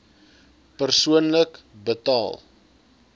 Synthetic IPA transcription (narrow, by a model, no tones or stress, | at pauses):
pərsuənlək | bətɑːlˠ